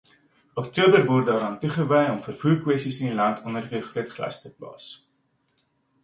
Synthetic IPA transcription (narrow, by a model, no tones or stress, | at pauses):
ɔktuəbərvɔrt̚dɑːɾɑːntuχəvəjɔmfərfuːrkwɛstisənilɐntʰɔnərfiərχruətχlɐ̰stəplɑ̰ːs